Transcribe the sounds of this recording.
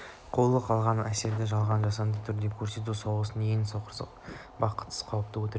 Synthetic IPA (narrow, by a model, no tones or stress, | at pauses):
qʰo̞lˠəqʰɑlˠʁɑnæse̞ɾd̪ɪʒɑlˠʁɑnʒɑsɑnd̪ət̪ʰʏɾd̪e̞kʲʰɵɾse̞t̪̬usɑwʁəsənejɪnsoqəɾsə̰q̚ | bɑqə̥t̪ʰə̥sqʰɑwəp̚t̪əwɵt̪e